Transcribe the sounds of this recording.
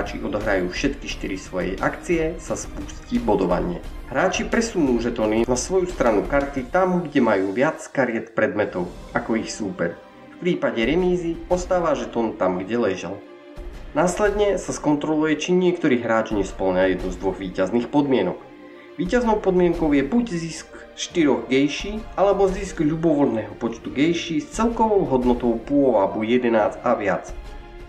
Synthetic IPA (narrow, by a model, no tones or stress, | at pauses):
aːt͡ʃiʔɔd̪ɔɦɾajuːfʃɛt̪kiʃt̪iɾisʋɔjɛ̰ʔakt͡siɛsaspuːscibɔd̪ɔʋa̰ɲɪɛ̰ɦɾaːt͡ʃipɾɛsunuːʒɛt̪ɔninasʋɔjust̪ɾanukaɾt̪it̪amɡɟɛmajuːʋɪat͡skaɾɪɛt̪pɾɛd̪mɛt̪ɔʊʔakɔixsuːpɛ̰ɾ | fpɾiːpaɟɛɾɛmiːziɔst̪aːʋaʒɛt̪ɔnt̪amɡɟɛlɛʒɛ̰l | naːslɛd̪ɲɛsaskɔnt̪ɾɔlujɛt͡ʃiɲɪɛkt̪ɔɾiːɦɾaːt͡ʃɲɛspl̩ɲajɛd̪nuzd̪ʋɔɣʋiːcazniːxpɔd̪mɪɛnɔk | ʋiːcaznɔʊpɔd̪mɪɛŋkɔʊjɛbuɟzisk | ʃt̪iɾɔɣɡɛjʃiːʔalɛbɔziskʎubɔʋɔlnɛːɦɔpɔt͡ʃt̪uɡɛjʃiːst͡sɛlkɔʋɔʊɦɔd̪nɔt̪ɔʊpuɔʋabujɛd̪ɛnaːd͡zaʋɪat͡s